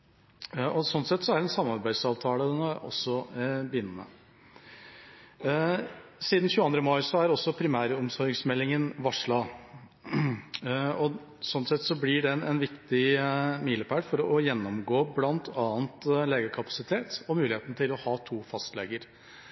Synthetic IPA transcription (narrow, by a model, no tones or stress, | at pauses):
ɔsɔnsɛt̪ːsɔæɾɛnsɑmɑɾbæɪsɑːʋt̪ʰɑːləd̪ɛnɑɔ̰sːɔbəjʏnːəmə̰ | siːd̪n̩çʉːɑnd̪ɾəmɑɪsɔæɾɔsːɔpʰɾɪmæːɾəɔmsɔɾɡsmɛlːɪŋənʋɑʂɭɑː | ɔ | sɔnsɛt̪ːsɔblɪɖɛɛnʋɪkt̪ɪmiːləpʰæːɖfɔɾɔjɛnːɔmɡoːblɑnt̪ʰɑːənt̪leːɡəɾkʰɑpɑ̥sɪt̪ʰeːt̪ɔmʉːlɪeːt̪nət̪ɪlɔhɑːt̪ʰuːfɑst̪leːɡəɾ